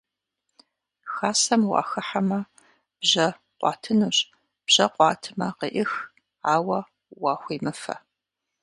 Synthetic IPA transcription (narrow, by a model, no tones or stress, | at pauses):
xaːsɐmwɑ̰ːxɨħamɐ | b̥ʑɐ | qʷʼɑ̰ːtʰɨnuːɕʼ | b̥ʑ̥ɐqʷɑːtʰɨmɐqəʔɪx | aːwɐ | wɑːxʷiːmɨfɐ̰